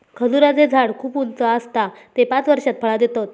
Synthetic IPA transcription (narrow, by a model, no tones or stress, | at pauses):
kʰəd͡zuɾad͡zed͡zʱaɽkʰuːpunt͡səəst̪at̪epat͡sʋəɾɕat̪̚fʰəɭad̪et̪ot̪̚